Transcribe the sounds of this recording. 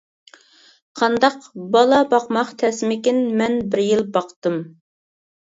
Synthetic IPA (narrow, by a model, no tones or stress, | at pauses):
qʰɑnd̪ɑqbɑlˠɑbɑqmɑχt̪ʰɛsɪmɪkʲinmɛnbɪɾjilˠbɑqt̪ɨm